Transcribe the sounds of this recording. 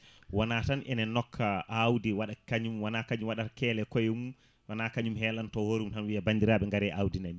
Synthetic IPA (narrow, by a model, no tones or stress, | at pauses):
wanatanʔɛ̰nɛnːɔkʰːaʔawdiwaɗakaɲumwanakaɲumwaɗakɛːlɛkɔjɛmu | wanakaɲumhɛːlantɔhoɾumtanwiabandiɾaːɓɛŋɡaɾɛʔawdinami